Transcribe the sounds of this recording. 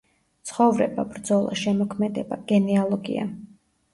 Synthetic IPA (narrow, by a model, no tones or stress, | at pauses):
t̪sʰχɔvɾɛbabɾd̪zɔlˠa̰ʃɛmɔkʰmɛd̪ɛb̥aɡ̥ɛnialˠɔɡḭa̰